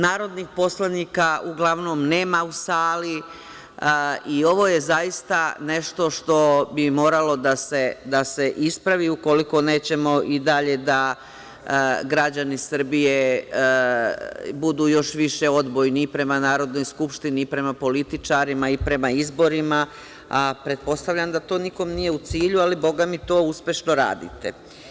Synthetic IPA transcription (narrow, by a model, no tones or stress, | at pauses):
naːɾo̞d̪nixpo̞slˠaniːkauɡlˠaʋno̞mne̞ːmausaːli | io̞ʋo̞je̞zajist̪ane̞ʃt̪o̞ʃt̪o̞bimo̞ːɾalo̞d̪ase̞d̪ase̞ʔispɾaʋiuko̞liko̞ne̞ːt͡ɕe̞mo̞ʔid̪aʎe̞d̪a | ɡɾad͡ʑanisr̩bije̞ | bud̪uːjo̞ʃʋiʃe̞o̞d̪bojniːpɾe̞manaːɾo̞d̪no̞jskupʃt̪inipɾe̞mapo̞lit̪it͡ʃaɾimaipɾe̞maizbo̞ɾima | apɾe̞t̪̚po̞st̪aʋʎamd̪at̪o̞ːniko̞mnije̞ut̪siːʎualibo̞ɡamit̪o̞ːuspʲje̞ʃno̞ɾa̰ːd̪ḭt̪ḛ